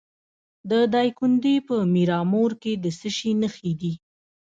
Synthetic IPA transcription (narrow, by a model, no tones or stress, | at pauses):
d̪əd̪ɑjkʊnd̪epəmiɾɑmoɾked̪əsəʃinəxid̪i